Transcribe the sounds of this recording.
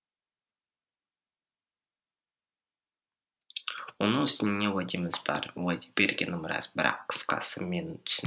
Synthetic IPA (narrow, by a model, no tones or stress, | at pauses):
wonəʏst̪ɪnɪnewad̪imɪzbɑ̰ɾwad̪ʲi̥be̞ɾɡʲenɪmɾɑ̰zbɪɾɑ̰qʰːə̥sqɑ̰səme̞nt̪ʰʏ̥s